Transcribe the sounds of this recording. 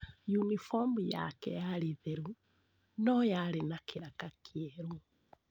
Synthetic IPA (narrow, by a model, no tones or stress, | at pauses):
junifɔmbuja̰kɛ̰jaliðeɾu | nɔjalenakiɾakakʰjɛɾu